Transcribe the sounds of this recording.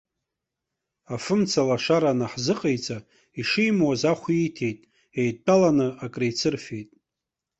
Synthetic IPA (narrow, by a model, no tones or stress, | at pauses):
afɨmt͡sʰalaʂaɾanaħzɨqʼejt͡sʼa | iʂijmwazaχʷiːtʰe̞jtʼ | ejtʼːalanɨakʼrejt͡sʰɨrfe̞jtʼ